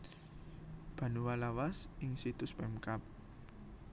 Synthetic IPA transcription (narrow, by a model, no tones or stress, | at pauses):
b̥a̤nuwalawasɪŋsit̪ʊspɛmkap̚